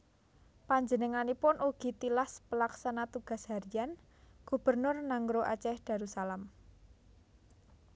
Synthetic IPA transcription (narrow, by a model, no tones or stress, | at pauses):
paɲd͡ʒənəŋanipʊnʔuɡ̥i̤t̪ilaspəlaksanat̪uɡ̥a̤shaɾijan | ɡ̥ṳb̥ərnʊrnaŋɡɾoʔa̰t͡ʃɛhd̪̥a̤ɾusalam